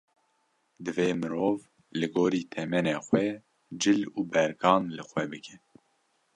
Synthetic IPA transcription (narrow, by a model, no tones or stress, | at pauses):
d̪ɨveːmɨɾoːv | lɨɡoːɾiːt̪ʰɛmɛneːxwɛ | d͡ʒɨluːbɛɾɡʰɑːnlɨxwɛbɨkʰɛ